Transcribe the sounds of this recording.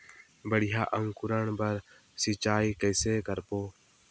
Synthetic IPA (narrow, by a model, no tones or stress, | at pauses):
bəɽɪja̰ːʔəŋɡkʊɾəɳbəɾ | sɪt͡ʃaːiːkəjseːkəɾpoː